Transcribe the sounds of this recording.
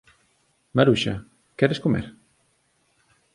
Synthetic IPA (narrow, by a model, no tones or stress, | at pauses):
maɾuʃɐ̰ | kɛɾeskomḛɾ